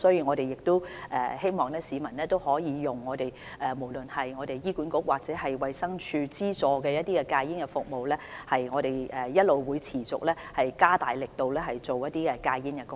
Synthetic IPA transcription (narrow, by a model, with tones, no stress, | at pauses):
sɔː˨˥jiː˨˧˥ŋɔː˨˧t̪e˨jɪ˨k̚t̪o˥wʔɛː˧he˥jmɔː˨ŋlɛː˥siː˨˧mɐ˨˩nɛː˥t̪o˥whɔː˨˥jiː˨˧jʊ˨˩ŋːɔː˨˧t̪e˨j | ɛː˨mo˨˩wlɵ˨nhɐ˨jŋɔː˨˧t̪e˨jjiː˥kuː˨˥nkʊ˥k̚waː˨k̚t͡sɛː˨˥ɦɐ˨jwɐ˨jsɐ˥ŋt͡ʃʰyː˧t͡siː˥t͡sɔː˨˧kɛː˧jɐ˥t̪̚iː˥kɛ˧kaː˧ji˥nkɛ˧fʊ˨k̚mo˨wlɛː˥hɐ˨jŋɔː˨˧ɾe˨˩jɛː˨jɐ˥t̚lo˨wwuː˨˧jt͡sʰiː˨˩t͡sʊ̰˨k̚lɛː˥hɐ˨jkaː˥t̪aː˨jlɪ˨k̚t̪o˨˧wlɛː˥ɦɐ˨jt͡so˨wjɐ˥t̪̚iː˥kɛ˧kaː˧ji˥nkɛ˧kʊ˥